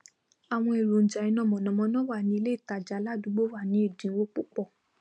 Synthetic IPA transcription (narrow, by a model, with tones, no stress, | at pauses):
a˨w̃ɔ̃˧e˨ɾo˨n̩˨d͡ʒa˨i˨˧˦nɔ̃˨˦˨mɔ̃˨nɔ̃˨˦mɔ̃˧˦nɔ̃˦wa˦˨nĩ˨˦i˦˧le˦i˦˨ta˨d͡ʒa˨˦la˦˨du˨˧˦ɡ͡bo˦wa˦˨nĩ˨˦i˦˨dĩ˨˦wo˦k͡pu˦k͡pɔ˦˨